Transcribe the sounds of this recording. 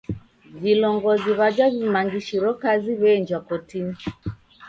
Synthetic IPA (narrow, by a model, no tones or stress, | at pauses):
vilɔŋɡɔziβad͡ʒavimaŋɡiʃiɾɔkaziβɛːɲd͡ʒwakɔtini